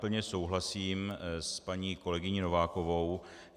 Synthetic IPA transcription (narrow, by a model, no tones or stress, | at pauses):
pl̩ɲɛso̞wɦlasiːmspaɲiːko̞lɛɡɪɲino̞vaːko̞vo̞w